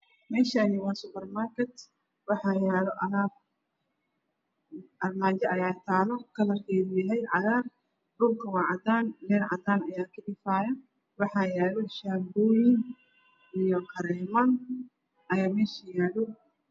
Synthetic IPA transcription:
mɛːʃaːnɪwɑːsʊpɛrmaːrkʰɛt̪ | wɑħɑːjɛːlɔʔɐlaːb̚ | ʔɐrmaːd͡ʒɛʔɐjaːt̪ʰaːlɔkʰɐlɐrkʰɛːðʊjɐɦɛjʕɑðaːr | ɖʊlkʰɐwɑːʕɑd̪aːnlɛːnʕɑ̰d̪aːnɐjaːkʰɐɗɪfaːjɐ | wɑħɑːjɛːlɔʃambujɪn | ʔijɔkʰɐɾɛːmɐn | ʔɐjaːmɛːʃijaːɽʊ

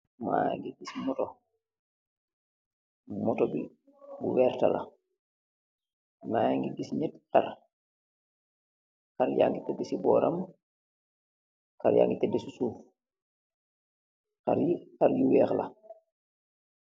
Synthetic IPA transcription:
ma̰ja̰ŋɡiɡismɔto | mɔtobi | buwɛːɾtala̰ | najaŋɡiɡisɲɛtkaɾ | kaɾja̰ːŋɡitɛdisibɔːɾam | kaɾja̰ːŋɡitɛdisisuːf | kaɾjikaɾjuwɛːxla

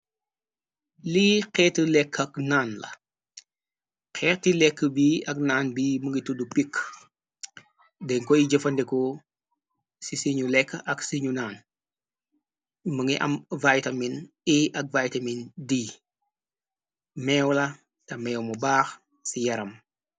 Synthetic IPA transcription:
liːqɛːtəlɛkʰːɐknaːnlɐ̰ | qʰɛːtilɛkːəbiɐk̚naːnbiːməŋɡitudupikʰː | dɛŋkɔjiɟɐfɐndɛko | sisiɲulɛkːɐksiɲunaːn | məŋɡiʔɐ̰mvajtɐmin | iɐk̚vajtɐmindi | mɛːwlɐ | tɐmɛwmubaːx | sijɐɾɐm

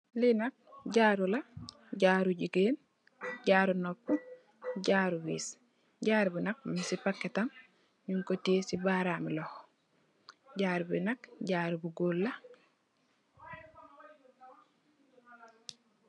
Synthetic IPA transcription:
linak̚ɟaːɾula | ɟaːɾuɟiɡeːn | ɟaːɾunopːu | ɟaɾuwḭːs | ɟaːɾbunak̚misipakːetam | ɲuŋkotesibaɾamiloh | ɟaːɾbḭnakɟaːɾubuɡoːlːa

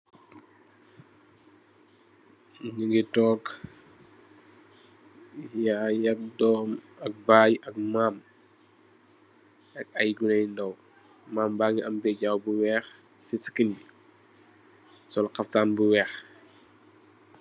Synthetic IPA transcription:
ɲiŋɡitɔɡ | jajɐk̚dɔːm | ɐk̚baːjɐk̚maːm | ɐkɐjɡunɐjndɔw | maːmbaːŋɡiɐmbɛɟawbuwɛːx | sisi̥kin | sɔlqɐftaːnbuwɛːx

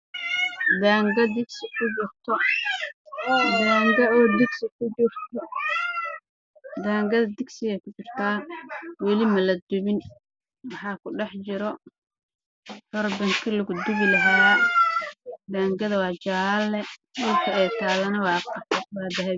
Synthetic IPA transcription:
d̪aːŋɡɐd̪ɪɡsɪkʰʊd͡ʒʊrt̪ʰɔ | d̪aːŋɡɐɔːd̪ɪɡsɪkʰʊd͡ʒʊrt̪ʰɔ | d̪aːŋɡɐðɐd̪ɪɡsɪɣɐkʊt͡ʃɪrt̪ʰaːwɛlɪmɐlɐd̪ʊβɪn | wɑħɑːkʰʊɖɛħt͡ʃɪɾɔ | hɔrbɐŋkʰilɐɡʊd̪ʊβɪlɐɦa | d̪aːŋɡɐðɐwɑːt͡ʃaːlːɛdʊlkʰɐɛt̪ʰaːlɐnɐwɑːqɑɐtwɑːd̪ɐɦɛ

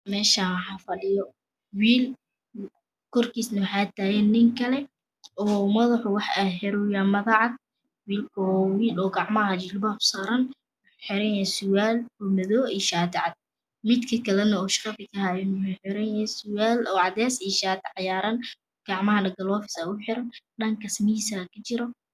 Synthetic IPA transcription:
mɛːʃɐħɑfɐlɪjɔ | wiːl | kʰɔrkʰiːsnɐwħɑt̪ʰaːjɛnɪŋkʰɐlɛ | ɔːmɐðɐħʊwɑħaɦɛɾʊjaːmɐðɑʕɑd̪̚ | wiːlkʰɔɔːwiːlɔːɡɑʕmɐɦɐt͡ʃɪlbɔfsaɾɐn | w | ħɪɾɐnɛsʊwaːlɔːmɐðɔːiːʃaːt̪ʰɪʕɑd̪̚ | mɪd̪kʰɐkʰɐlɛnɐɔːʃɑ̥qɑfɪkʰɐhaːɪnʊħɪɾɐnɐsʊwaːlɔːʕɑd̪ɛːsijʃaːt̪ʰɪʕɑjaːɾɐn | ɡ̥ɑʕmɐɦɐnɐɡɐlɔːfɪ̥saʊħɪɾɐnɖɐŋkʰɐsmiːsakʰɐt͡ʃɪɾɔ

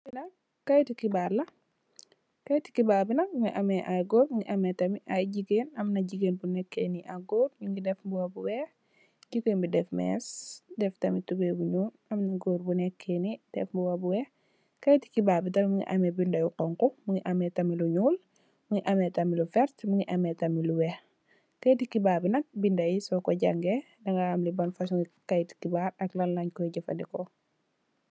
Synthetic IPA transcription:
binɐk | kːɐjtikibaɾlɐ | kɐjti̥kibaːbinɐk̚muŋḭʔɐmɛʔajɡoːɾmuŋɡiʔɐmɛtɐmiʔajɟiɡenɐmnɐɟiɡeːnbunɛkːeniʔaɡoɾmiŋɡidɛfbuwɐbuwɛ | ɟiɡeːnbidɛfmɛ̰sdɛftɐmitubebuɲuːlɐmnɐɡoːɾbunɛkʰːenid̥ɛ̰fbuwɐbuwɛ | kɐjti̥kibaːbitɐmimuŋḭʔamebindɐjuqɔŋkumuŋiʔɐmetɐmiluɲuːl | muŋiʔametɐmilufɛɾtmuŋiʔɐmetɐmiluwɛ | kajtikibaːbinɐk̚bindɐjisɔkoɟaŋɡe | dɐŋɡaamlibɐnfas̬uŋikajti̥kibaɾɐklɐnlaɲkɔiɟɐfɐ̰ndikɔ

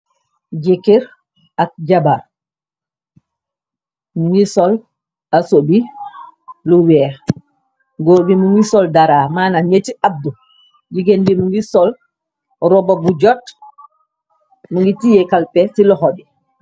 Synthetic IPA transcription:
d͡ʒekiɾ | ak̚d͡ʒabaɾ | muŋɡisɔl | asobi | luwɛ | ɡobimuŋɡisɔldaɾamaːnaɲetiab̚du | d͡ʒiɡendimuŋɡisɔl | ɾɔbabud͡ʒɔt | muŋɡitijɛkalpɛsilɔɦɔbɛ

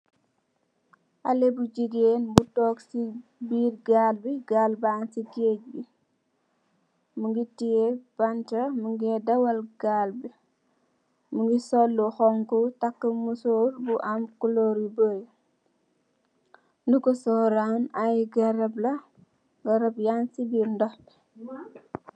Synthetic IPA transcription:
ʔalebud͡ʒiɡeːnbutɔːksibiːrɡaːlbiɡalbaːnsiɡeːc̚bi | muŋɡitijebantɐmuŋɡedɐwɐlɡaːlbi | muŋɡisɔlːuxɔŋkutakːəmusoːɾbuʔamkulɔɾiboj | ndukɔsɔɾanajɡɐɾɐblɐ | ɡɐɾɐpjansibiːɾndɔ

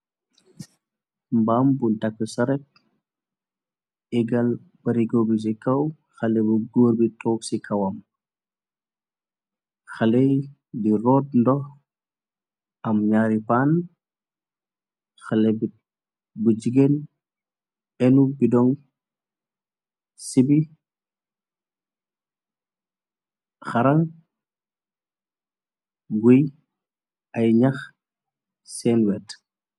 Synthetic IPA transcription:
mbaːmbuntɐkːəsɐɾɛk̚ | ɛɡɐl | bɐɾiɡobis̬ikɐw | xɐlɛbuɡoːɾbitʰɔːksikʰɐwɐm | xɐlɛj | diɾɔːt̚ndɔx | ʔɐmɲaːɾipan | xalebi | bud͡ʒiɡen | ɛnubidɔŋ | sibi | xaɾaŋ | ɡuj | ɐjɲax | sɛːnwɛt

